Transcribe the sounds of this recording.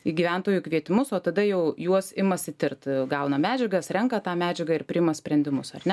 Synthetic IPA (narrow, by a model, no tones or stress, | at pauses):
iɡʲiʋʲɛnt̪oːjukʋʲiɛt̪ʲɪmʊsoːt̪ɐd̪ɐjɛʊjuɔsɪmɐsɪt̪ʲɪrt̪ɡɐʊnɐmʲæːd͡ʒʲɛɡɐsɾʲɛŋkɐt̪ɑːmʲæːd͡ʒʲɛɡɐɪɾpʲɾʲɪɪmɐsʲpʲɾʲɛnʲd̪ʲɪmʊsɐrʲnʲɛ